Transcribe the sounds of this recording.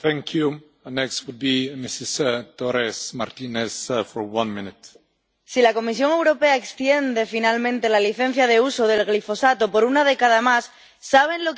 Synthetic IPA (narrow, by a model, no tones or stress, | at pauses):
θɛ̃ŋkʰju | ənɛkstwud̚bimisɪst̪ɔɾɛsma̰ɾt̪inɛsfɔɹwãnmɪ̃nɪt | silako̞mis̬jo̞ŋe̞wɾo̞pe̞aekst̪je̞nd̪e̞finalmẽnt̪e̞laliθe̞n̟θjaðe̞usoðe̞lɣlifo̞sat̪opo̞ɾunað̞e̞kaðamasː | aβ̞e̞nlo